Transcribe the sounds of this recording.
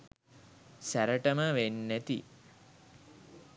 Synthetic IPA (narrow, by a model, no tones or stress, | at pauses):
sæɾəʈəməʋenːæt̪ḭ